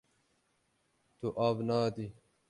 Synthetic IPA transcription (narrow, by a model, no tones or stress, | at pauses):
t̪uʔaːbnaːd̪i